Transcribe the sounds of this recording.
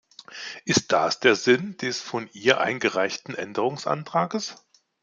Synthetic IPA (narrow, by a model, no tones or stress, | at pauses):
ʔɪst̚d̥a̰sd̥eːɐzɪnd̥ɛsfɔnʔiːɐʔa̰ɪnɡəʁaɪçtn̩ʔɛ̰ndəʁ̞ʊŋsʔa̰ntʁ̥aːɡəs